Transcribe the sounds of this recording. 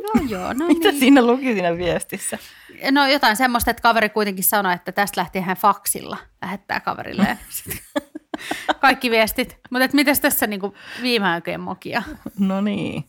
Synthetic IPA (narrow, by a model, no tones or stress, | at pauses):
jojo̰ːnomint̪æsiːnːelukisiːnæʋiest̪isːænojot̪ɑinsemːost̪et̪kɑʋeɾikuit̪eŋkissɑnoet̪ːæt̪æst̪læht̪eːhænfɑksḭlːɑlæhet̪ːæ̰ːkɑ̰ʋḛrḭlḛːsi̥t̪ | kɑikːiʋiest̪it̪mut̪et̪mit̪æst̪æsːæniːŋkuʋiːmeɑikḛːmmo̰kiɑnoniː